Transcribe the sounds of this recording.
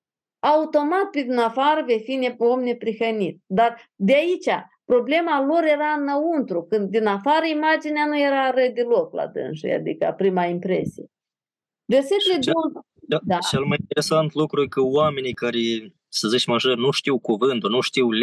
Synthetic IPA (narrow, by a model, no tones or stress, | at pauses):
aut̪o̞mat̪̚ped̪inafaɾəvefineomne̞pɾixənit̪̚d̪ard̪eait͡ʃʲapɾo̞ble̞malo̞ɾje̞ɾaɨnːəunt̪ɾukɨnd̪ːinafaɾəimad͡ʒineanuje̞ɾaɾəd̪elo̞kla̰d̪ɨ̰nʃṵja̰d̪ḭkəa̰pɾimaimpɾe̞̰sije | verset̪eled̪ow | d̪at͡ʃelmajint̪eɾesant̪lukɾujʲkəwame̞nikaɾe | səzit͡ʃʲmaʒərnuʃt̪iwkuvɨnt̪unuʃt̪iwlʲ